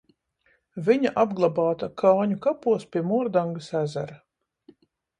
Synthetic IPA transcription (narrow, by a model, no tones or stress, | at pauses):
viɲaʔabɡlˠabaːt̪akʰaːɲukapuɔspʲiɛmuɔɾd̪aŋɡasæzæɾa